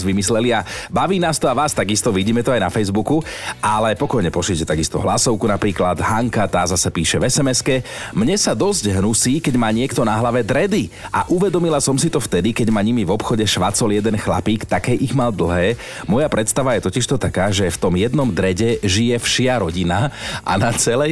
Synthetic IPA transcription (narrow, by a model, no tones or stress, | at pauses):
zʋimislɛliabaʋiːnaːst̪ɔaʋaːst̪aɡist̪ɔʋiɟiːmɛt̪ɔajnafɛjzbukuʔalɛpɔkɔjɲɛpɔʃɛcɛt̪aɡist̪ɔ̰ɦlasɔʊkunapɾiːklad̪ɦaŋkat̪aːzasɛpiːʃɛʋɛsɛmɛskɛmɲɛsad̪ɔzɟɦnusiːkɛɟmaːɲɪɛkt̪ɔnaɦlaʋɛd̪ɾɛd̪iʔaʔuʋɛd̪ɔmilasɔmsit̪ɔft̪ɛd̪ikɛɟmaːɲimivɔpxɔɟɛʃʋat͡sɔljɛd̪ɛnxla̰piːkt̪akɛjʔiɣmald̪l̩ˠɦɛː | mɔjapɾʔɛt̪st̪aʋajɛt̪ɔciʃt̪ɔt̪akaːʒɛft̪ɔmjɛd̪nɔmd̪ɾɛɟɛʒijɛfʃɪaɾɔɟinaʔa̰nat͡sɛlɛ